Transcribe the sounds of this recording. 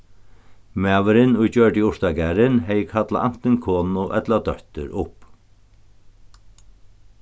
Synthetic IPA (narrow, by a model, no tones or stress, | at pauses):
mæːʋɪɾɪnʊjt͡ɕœɹʈiʊʂt̪aɡæɾɪnɦɛjəkʰat̪la̰ʔan̥t̪ɪnkʰɔːnʊʔɛ̰t̪lad̪œht̪ʏ̰ɾʔʊhp